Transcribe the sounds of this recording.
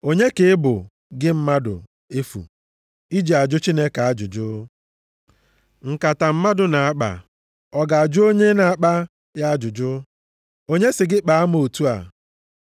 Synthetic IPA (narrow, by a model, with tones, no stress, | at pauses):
o˦ɲe˦kɪ˨ɪ˦bʊ̰˨ | ɡɪ˦m̩˦ma˦dʊ̰˨ | e˦fṵ˨ | i˦d͡ʒi˨a˨d͡ʒʊ˦t͡ʃi˦ne˦ka˨a˦d͡ʒʊ̰˨d͡ʒʊ˦ | ŋ̩˨ka˨ta˨m̩˦ma˦dʊ˨na˨a˦k͡pa̰˨ | ɔ˦ɡa˨a˨d͡ʒʊ˦o˦ɲe˦na˨a˦k͡pa˦ | ja˦a˦d͡ʒʊ˨d͡ʒʊ˦ | o˦ɲe˦sɪ˨ɡɪ˦k͡pa˨a˦m˦o˨tu˦a̰˨